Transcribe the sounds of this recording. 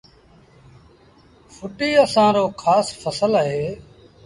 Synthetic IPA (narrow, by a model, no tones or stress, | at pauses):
fʊʈiːəsãːɾoːkʰaːsfʰəsələɦeː